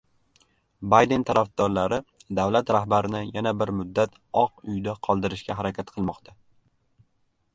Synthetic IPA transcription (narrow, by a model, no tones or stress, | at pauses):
bajd̪e̞nt̪ʰaɾafd̪̥ɒɾlaɾɪd̪awlat̪ɾahbaɾɪnɪjanabɪɾmʊd̪ːat̪ʰ | ɒqʊjd̪aqʰɒlˠd̪ɪɾɪʃkʲaɦaɾakʲʰat̪qʰɨlˠmɒqt̪ʰa